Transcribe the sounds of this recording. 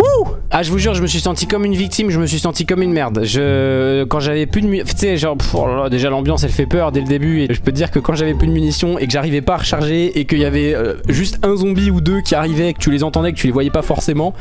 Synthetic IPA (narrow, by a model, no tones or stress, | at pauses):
uaʒəvuʒyʁʒəməsɥisɑ̃t̪ikɔmynvik̚t̪imʒəməsɥisɑ̃t̪ikɔmynmɛʁd̪ʒəkɑ̃ʒavɛplyd̪əmyfɛt̪sɛʒɔ̃ʁa̰lɔʁlad̪eʒalɑ̃bjɑ̃sɛlfɛpœʁd̪ɛld̪ebyeʒəpød̪iʁkəkɑ̃ʒavɛplyd̪əmynisjɔ̃ekəʒaʁivɛpaːʁəʃaʁʒeekəiljavɛøʒyst̪ɛ̃zɔ̃biud̪økʲʰiaʁivɛːkət̪ylezɑ̃t̪ɑ̃d̪ɛkət̪ylevwajɛpafɔʁsemɑ̃